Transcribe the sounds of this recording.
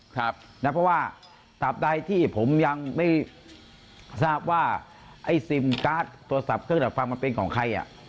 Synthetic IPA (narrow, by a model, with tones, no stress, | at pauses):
kʰa˦˥p̚na˦˥pʰɔ˦˥waː˥˩ | t̪a˨˩p̚da˧jt̪ʰiː˥˩pʰo˩˦mja˧ŋma˥˩j | saː˥˩p̚waː˥˩ | ʔa˥˩jsi˧˩mkaː˦˥˩t̪̚ʰːu˧ɐ˧sa˨˩p̚kʰɯ˥˩ŋda˨˩kʰwa˧ma˧pe˧nkʰɔː˩˦ŋkʰa˧jʔa̰˨˩ʔ